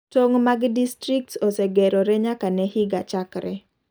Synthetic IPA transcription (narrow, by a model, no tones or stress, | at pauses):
toŋmaɡdistɾik̚tosɛɡɛɾoɾɛɲakanɛhiɡat͡ʃakɾɛ